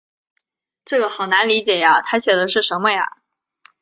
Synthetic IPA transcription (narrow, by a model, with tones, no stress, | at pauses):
ʈ͡ʂɤ˥˩ɡə˩xɑ˨˩ʊna˧˥nli˧˥t͡ɕjɛ˨˩ja˦t̪ʰa˥ɕjɛ˨˩d̪ə˦ʂɻ̩˥˩ʂə˧˥nmə˧ja̰˩